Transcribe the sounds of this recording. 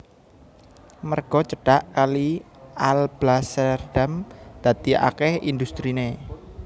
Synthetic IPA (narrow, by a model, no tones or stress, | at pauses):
mərɡ̥ɔ̤t͡ʃəɖ̥aʔkalialb̥lasərɖ̥amd̪̥a̤t̪ia̰kɛhḭnd̪ust̪ɾine